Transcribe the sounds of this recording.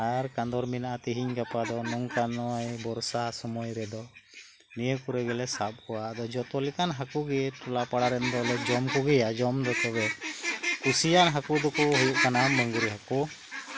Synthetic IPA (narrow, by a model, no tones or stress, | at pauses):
aɾkand̪ɔɾminaʔat̪iɦiɲɡapad̪ɔnɔŋkanɔjbɔɾsasɔmɔjɾɛd̪ɔ | nijəkuɾɛɡɛlɛsap̚kɔwaʔd̪ɔd͡ʒɔt̪ɔlikanɦakuɡɛʈɔlapaɽaɾɛnd̪ɔlɛd͡ʒɔmkɔɡɛjad͡ʒɔmd̪ɔt̪ɛbɛ | kusijanɦakud̪ɔkɔɦujuʔkanamɔŋɡuɾiɦaku